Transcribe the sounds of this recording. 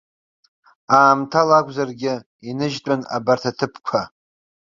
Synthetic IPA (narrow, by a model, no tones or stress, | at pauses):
aːmtʰalakʷʼzarɡʲɪ | inɨʒtʼana̰bartʰatʰɨpʰkʷʰa